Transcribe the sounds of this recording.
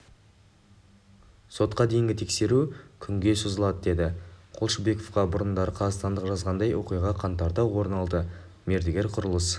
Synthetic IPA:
so̞t̪̚qɑd̪ejɪŋɡʲɪt̪ʰekse̞ɾukʲʰʏŋɡʲe̞sʊzəlˠɑd̪əd̪e̞d̪ɪqʰolˠʃəbe̞ko̞fqɑbʊɾənd̪ɑɾəqʰɑzɑst̪ɑnd̪əqʒɑzʁɑnd̪ɑjwʔo̞̰qijʁɑqʰɑnt̪ɑɾt̪ɑwwo̞ɾnɑlˠd̪ə | me̞ɾd̪ɪɡʲe̞ɾqʰʊɾəlˠəs

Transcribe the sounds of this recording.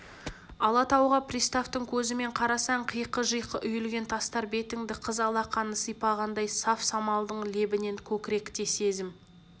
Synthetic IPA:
ɑlˠɑt̪ɑwʁɑprʲist̪aft̪əŋkʲʰɵzɪme̞ɴqʰɑɾɑsɑɴqʰəjqəʒəjqəʔʏjʏlɡʲe̞nt̪ʰɑst̪ɑɾbe̞t̪ɪŋd̪ɪqʰəzɑlˠɑqʰɑnəsəjpɑʁɑnd̪ɑjsɑfsɑmɑlˠd̪əɴle̞bɪne̞ŋkʲʰɵkʲɪɾe̞kt̪e̞se̞zɪm

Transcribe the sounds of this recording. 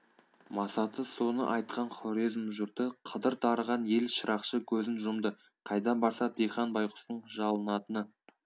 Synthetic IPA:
mɑsɑt̪əso̞nə̰ʔɑjt̪̚qʰɑnχoɾizmʒʊɾt̪əqʰəd̪əɾt̪ʰɑɾəʁɑnje̞lʃəɾʔɑqʃəkʲʰɵzɪnʒʊmd̪ə | qʰɑjd̪ɑnbɑɾsɑd̪ejχɑnbɑjqʊ̥st̪əɴʒɑlˠənɑt̪ənə

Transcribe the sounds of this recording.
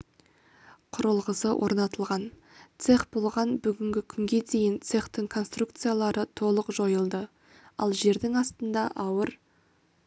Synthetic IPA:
qʰʊɾəlˠʁəsəwʔo̞̰ɾnɑt̪əlˠʁɑn | t̪se̞χbo̞lˠʁɑnbʏɡʲɪŋɡʲɪkʲʰʏŋɡʲe̞d̪e̞jɪnt̪se̞χt̪ɪŋkʰo̞nst̪rukt̪sɨjalˠɑɾʔət̪ʰo̞lˠəqʒo̞jəlˠd̪ə | ɑ̰lˠʒe̞ɾd̪ɪŋɑst̪ənd̪ɑʔɑwəɾ

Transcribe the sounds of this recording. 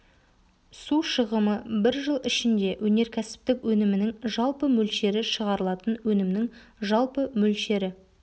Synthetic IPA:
suʃəʁəməbɪɾʒəlˠɪʃɪnd̪e̞wʔɵne̞ɾkʲʰæsɪ̥p̚t̪ɪkwɵnɪmɪnɪŋʒɑlˠpəmɵlʃe̞ɾɪʃəʁɑɾəlˠɑt̪ənwɵnɪmnɪŋ | ʒɑlˠpəmɵlʃe̞ɾɪ

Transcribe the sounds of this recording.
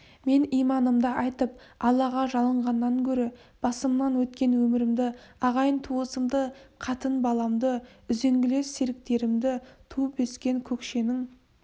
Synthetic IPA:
me̞nijmɑnəmd̪ɑʔɑjt̪əp̚ | ɑlˠːɑʁɑʒɑlˠəɴʁɑnːɑŋkʲʰɵɾeb̥ɑsəmnɑnwɵt̪kʲe̞nwɵmɪɾɪmd̪ɪɑʁɑjənt̪ʰuəsəmd̪əqʰɑt̪ənbɑlˠɑmd̪əʏze̞ŋɡʲɪle̞sːeɾɪk̚t̪e̞ɾɪmd̪ɪt̪ʰuəpwɵskʲe̞ŋkʲʰɵkʃe̞nɪŋ

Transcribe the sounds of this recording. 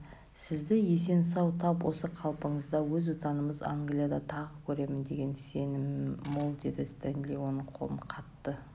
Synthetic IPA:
sɪzd̪ɪje̞se̞nsɑwt̪ʰɑpwʔo̞səqʰɑlˠpəɴəzd̪ɑwɵzot̪ɑnəməza̰ŋɡlʲijad̪ɑt̪ʰɑʁəkʲʰɵɾe̞mɪnd̪e̞ɡʲe̞nse̞nɪmːolˠd̪e̞d̪ɪst̪ænliwo̞nəɴqʰo̞lˠənqʰɑt̪ːə

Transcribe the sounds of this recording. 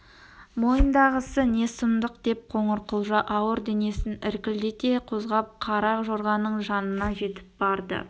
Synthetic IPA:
mo̞jənd̪ɑʁəsəne̞sʊmd̪əqd̪̥e̞p̚qʰo̞ɴəɾqʊlˠʒɑʔɑwəɾd̪e̞ne̞sɪnɪɾkʲɪld̪et̪e̞qʰozʁɑp̚qʰɑɾɑqʒoɾʁɑnəɴʒɑnənɑʒe̞t̪ɪ̥p̚bɑɾd̪ə̰

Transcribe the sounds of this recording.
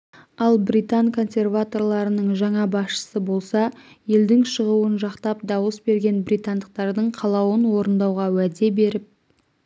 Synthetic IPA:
ɑlˠbɾijt̪ankʰo̞nsʲe̞rvat̪o̞rlˠɑɾənəɴʒɑɴɑbɑsʃə̥səbo̞lˠsɑ | je̞ld̪ɪŋʃəʁuwənʒɑqt̪ɑp̚d̪ɑwəsbe̞ɾɡʲe̞nbrʲijt̪and̪əq̚t̪ɑɾd̪əɴqʰɑlˠɑwənwo̞ɾənd̪ɑwʁɑwæd̪e̞be̞ɾɪp̚

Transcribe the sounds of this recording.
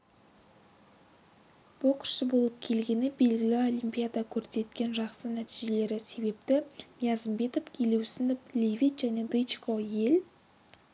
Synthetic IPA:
b̥ʊlˠkʲʰʏ̥ɾsɪbo̞lˠəp̚kʲʰe̞lɡʲe̞nɪbe̞lɡʲɪlɪo̞lijmpʲijad̪akʲʰɵɾse̞t̪kʲe̞nʒɑqsənæt̪ijʒe̞le̞ɾɪse̞be̞p̚t̪ɪmjazəmbe̞t̪o̞pkʲʰelewsɪnplʲevijt̪ʒæne̞d̪ɨjt͡ʃkoje̞l

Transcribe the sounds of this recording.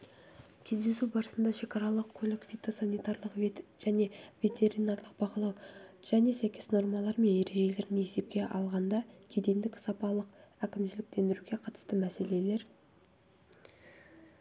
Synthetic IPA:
kʲʰe̞zd̪e̞subɑɾəsənd̪ɑʃe̞kɑɾɑlˠəqʰkʰːolɪkvʲit̪osɑnijt̪ɑɾlˠəqʒ̥æne̞vʲe̞t̪ʰe̞ɾinɑɾlˠəq̚b̥ɑqəlˠɑwʒ̥æne̞sæjkʲe̞sno̞ɾmɑlˠɑɾme̞nje̞ɾe̞ʒe̞le̞ɾmeese̞p̚kʲe̞ʔɑ̰lˠʁɑnd̪ɑkʲʰed̪e̞nd̪ɪkʲsɑpɑlˠəqækʲɪmʃɪlɪk̚t̪ʰe̞nd̪ɪɾuɡʲe̞qʰɑt̪ə̥st̪əmæse̞le̞le̞ɾ

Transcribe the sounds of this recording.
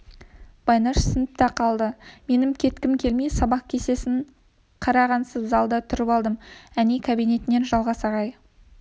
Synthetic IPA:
b̥ɑjnɑʃsɪnɪp̚t̪ɑqʰɑlˠd̪əme̞nɪmkʲʰe̞t̪kʲɪmkʲʰe̞lmijsɑbɑq̚kʲʰe̞se̞sɪŋ | qʰɑɾɑʁɑnsəzzɑlˠd̪ət̪ʰʏɾɪpɑlˠd̪əmænikʰabijne̞t̪ɪne̞nʒɑlˠʁɑsɑʁɑj

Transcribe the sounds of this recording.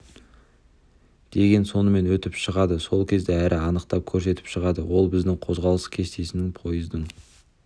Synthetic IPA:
d̪̥e̞ɡʲe̞nso̞nəme̞nwɵt̪ɪpʃəʁɑd̪əso̞lˠkʲʰe̞zd̪eæɾʔɪɑnəqt̪ɑp̚kʲʰɵɾse̞t̪ɪ̥pʃəʁɑd̪əwo̞lˠbɪzd̪ɪŋqʰo̞zʁɑlˠəskʲʰe̞st̪e̞sɪnɪŋpʰo̞jəzd̪əɴ

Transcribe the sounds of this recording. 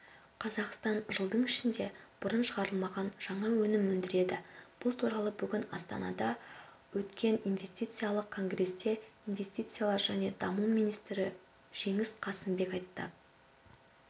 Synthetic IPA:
qʰɑzɑqst̪ɑnʒəlˠd̪əɴɪʃɪnd̪e̞b̥ʊɾənʃəʁɑɾəlˠmɑʁɑnʒ̥ɑɴɑwɵnɪmɵnd̪ɪɾe̞d̪ɪb̥ʊlˠt̪ʰuɾɑlˠəbʏɡʲɪnɑ̰st̪ɑ̰nɑ̰d̪ɑ | wɵt̪kʲʰe̞ninvʲe̞st̪ijt̪sɨjalˠəq̚kʰo̞ŋɡre̞st̪e̞inve̞st̪it̪sɨjalˠɑɾʒæne̞d̪ɑmumijnijst̪ɾɪ | ʒ̥e̞ŋɪsqʰɑsəmbe̞kɑjt̪ːə̰

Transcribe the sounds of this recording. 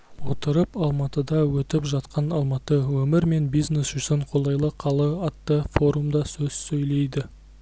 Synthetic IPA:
wo̞t̪əɾəpɑlˠmɑt̪əd̪ɑwɵt̪ɪpʒɑt̪qʰɑnɑlˠmɑt̪əwɵmɪɾme̞nbijzne̞sʒʏsɪɴqʰo̞lˠɑjlˠəqʰɑlˠəɑt̪ːəfo̞ɾumd̪ɑsɵz̥sɵjle̞jd̪ɪ

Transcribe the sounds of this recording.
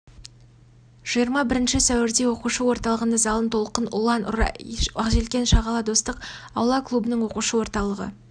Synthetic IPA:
ʒ̥ijəɾmɑbɪɾɪnʃɪsæwɪɾd̪e̞wo̞quʃəwo̞ɾt̪ɑlˠəʁənɑzɑlˠənt̪ʰo̞lˠqənʊ̰lˠɑnɾɑ̰ɑqʒelkʲe̞nʃɑʁɑlˠɑd̪o̞st̪əq | ɑwlˠɑklˠubənəɴwo̞quʃəwo̞ɾt̪ɑlˠəʁə̰

